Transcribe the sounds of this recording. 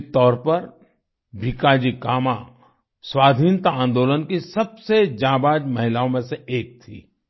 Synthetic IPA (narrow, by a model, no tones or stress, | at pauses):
t̪ɔːɾpɐɾ | bʱikaːd͡ʒikaːmã | swaːd̪ʱiːnt̪aãːnd̪oːlənkisɐbsed͡ʒãːbaːd͡ʒmɐɦɪlaːõmẽseeːk̚t̪ʰḭː